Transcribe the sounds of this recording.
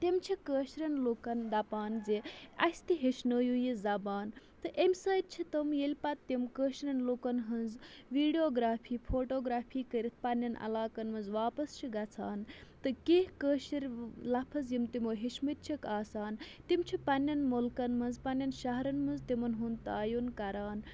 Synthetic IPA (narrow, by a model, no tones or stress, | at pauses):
t̪imt͡ʃʰikəːʃɾʲɐnlokɐnd̪ɐpaːnzeɐst̪iɦeʃnəːjujizɐbaːn | t̪ɨʔemʲsaːjt̪̚t͡ʃʰit̪ɐmjelʲpɐt̪t̪ːimkəːʃɾʲɐnlokɐnɦɐnzʋiːɖijoːɡɾaːpʰiːpʰoːʈoːɡɾaːpʰiːkəɾʲit̪̚ʰpɐnʲːɐnʔɐ̰laːkɐnmɐnzʋaːpɐst͡ʃʰiɡɐt͡sʰaːnt̪ɨkehkəːʃiɾʲlɐpʰɐzjimt̪imoːɦeʃmɨt̪̚t͡ʃʰikaːsaːnt̪imt͡ʃʰipɐnːɐnmulkɐnmɐnzpɐnːɐnʃɐɦɐɾɐnmɐnzt̪imɐnɦunt̪aːjunkɐɾaːn